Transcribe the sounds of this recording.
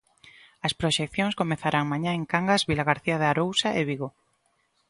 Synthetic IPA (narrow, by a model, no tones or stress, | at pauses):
ɐspɾoʃekθjoŋskomeθaɾaŋmaɲãeŋkaŋɡazβilaɣaɾθiaðeaɾowsaʔeβiɣo